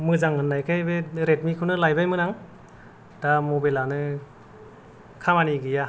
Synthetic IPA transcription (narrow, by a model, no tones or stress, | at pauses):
mɯzaŋɯnːajkʰajbeɾet̚mikʰunɯlajbajmɯnaŋ | d̥amobalanɯ | kʰamaniɡɯja